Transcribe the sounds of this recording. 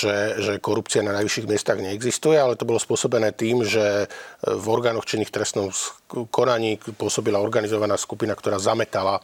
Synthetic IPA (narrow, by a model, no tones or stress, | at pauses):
ʒɛʒɛkɔɾupt͡siananajʋiʃiːɣmɪɛst̪aɣɲɛɛɡzist̪ujɛalɛt̪ɔbɔlɔspʊɔsɔbɛnɛːt̪iːmʒɛ | vɔɾɡaːnɔxt͡ʃiniːxt̪ɾɛst̪nɔmkʰɔnaɲiːpʊɔsɔbilaɔɾɡanizɔʋanaːskupinakt̪ɔɾaːzamɛt̪ala